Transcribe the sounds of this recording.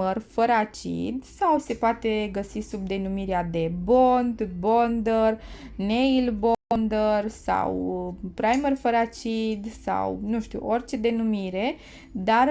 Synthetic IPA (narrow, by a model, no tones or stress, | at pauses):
ərfəɾat͡ʃḭd̪sawse̞poat̪e̞ɡəsisub̚d̪e̞numiɾead̪e̞bond̪bond̪ərnejlbond̪ərsa̰wpɾajmərfəɾat͡ʃid̪sa̰wnũʃt̪ṵʔo̞rt͡ʃe̞d̪e̞numiɾe̞ | d̪ar